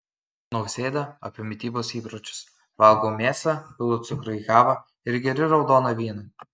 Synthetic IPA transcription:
nɐʊsʲeːd̪ɐɐpʲɪmʲɪt̪ʲiːboːsiːpɾɔt͡ʃʲʊ̥s | ʋɑˑlˠɡoːmʲeːsɐpʲɪlˠʊt̪sʊkɾɐiɡɑːʋɐ | ɪɾɡʲɛɾʲɪɾɒʊd̪oːnɐʋʲiːnɐ

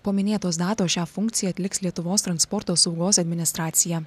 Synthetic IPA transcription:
pomʲɪnʲeːt̪oːsd̪ɑːt̪oːʃʲæːfʊŋkt̪sʲɪjɛɐt̪ʲlʲɪkslʲiɛt̪ʊʋoːst̪ɾɐnspɔɾt̪oːsɒʊɡoːsɐd̪ʲmʲɪnʲɪst̪ɾɑːt̪sʲɪjɛː

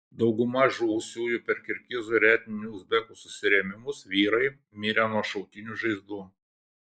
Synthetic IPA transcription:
d̪ɒʊɡʊmɐʒuːsʲuːjupʲɛɾkʲɪɾʲkʲɪzuɾʲæːt̪ʲnʲɪnʲuzʲbʲɛkuːsʊsʲɪɾʲɛmʲɪmʊsʋʲiːɾɐɪ | mʲiːɾʲɛnuɔʃɐʊt̪ʲɪnʲuʒɐɪzd̪uː

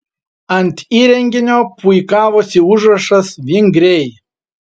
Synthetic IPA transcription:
ɐnʲt̪ʲiːɾʲɛŋʲɡʲɪnʲoːpʊɪkɑːʋoːsʲɪʊʒɾɐʃɐsʋʲɪŋʲɡɾʲɛj

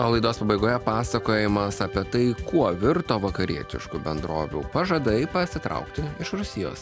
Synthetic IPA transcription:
oːlˠɐɪd̪oːspɐbɐɪɡoːjɛpɑːsɐkoːjɪmɐsɐpʲiɛt̪ɐɪkuɔʋʲɪɾt̪oːʋɐkɐɾʲiɛt̪ʲɪ̰ʃkubʲɛnd̪ɾo̰ːʋʲṵːpɐʒɐd̪ɐɪpɐsʲɪt̪ɾɐ̰ʊkt̪ʲɪɪʃɾʊsʲɪjo̰ːs

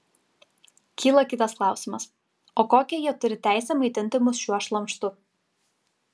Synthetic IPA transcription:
kʲiːlˠɐkʲɪt̪ɐsklˠɑˑʊsʲɪmɐs | oːkoːkʲɛjiɛt̪ʊɾʲɪt̪ʲæˑɪsʲɛmɐɪt̪ʲɪnʲt̪ʲɪmʊsʃʲuɔʃlˠɐmʲˑʃt̪ʊ

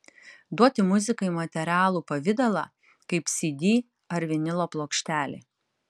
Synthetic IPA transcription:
d̪uɔt̪ʲɪmʊzʲɪkɐɪmɐt̪ʲɛɾʲɑːlˠuːpɐʋʲɪd̪ɐlˠɑ̰ː | kɐɪpsʲɪd̪ʲiː | ɐɾʲʋʲɪnʲɪlˠoːplˠoːkʃʲt̪ʲæːlʲḛ

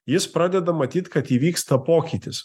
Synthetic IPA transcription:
jɪspɾɑːd̪ʲɛd̪ɐmɐt̪ʲiːt̪kɐt̪iːʋʲiːkst̪ɐpoːkʲit̪ʲɪs

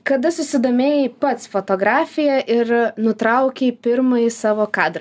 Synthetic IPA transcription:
kɐd̪ɐsʊsʲɪd̪oːmʲeːjɛpɐt̪sfoːt̪oːɡɾɑːfʲɪjɛʔɪɾnʊt̪ɾɐʊkʲepʲɪɾmɐisɑːʋoːkɑːd̪ɾɐ

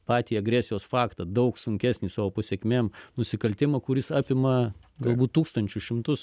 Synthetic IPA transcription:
pɑːt̪ʲiːɐɡɾʲæːsʲɪjoːsfɑːkt̪ɐd̪ɐʊksʊŋʲkʲæːsʲnʲiːsɑːʋoːpɐsʲeːkʲmʲeːmnʊsʲɪkɐlʲt̪ʲɪmɐkʊɾʲɪsɑːpʲɪmɐɡɐlˠbuːt̪̚t̪uːkst̪ɐnʲt͡ʃʲʊʃʲɪmt̪ʊs

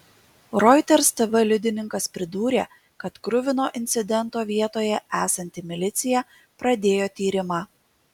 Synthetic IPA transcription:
ɾɔɪt̪ʲɛɾst̪ʲɛʋʲɛlʲʊd̪ʲɪnʲɪŋkɐspʲɾʲɪd̪uːɾʲḛː | kɐt̪kɾʊʋʲɪnoːʔɪnʲt̪sʲɪd̪ʲɛnˑt̪oːʋʲiɛt̪oːjɛʔæːsɐnʲt̪ʲɪmʲɪlʲɪt̪sʲɪjɛ | pɾɐd̪ʲeːjoːt̪ʲiːɾʲɪmɑː

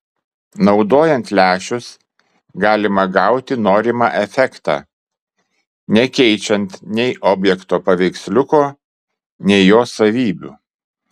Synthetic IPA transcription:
nɒʊd̪oːjɛnʲˑt̪lʲæːʃʲʊs | ɡɑːlʲɪmɐɡɑˑʊt̪ʲɪnoːɾʲɪmɑʔɛfʲɛkt̪ɑ̰ː | nʲɛkʲɛɪt͡ʃʲɛnt̪nʲɛɪʔɔːbʲjɛkt̪oːpɐʋʲɛɪksʲlʲʊkoː | nʲɛɪjoːsɐʋʲiːbʲṵː

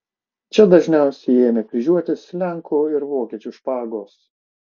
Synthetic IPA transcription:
t͡ʃʲɛd̪ɐʒʲnʲɛˑʊsʲɛɪeːmʲɛkʋʲɪʒʲuɔt̪ʲɪslʲæŋkʰuːɪɾʋoːkʲiɛt͡ʃʲʊʃpɑːɡoːs

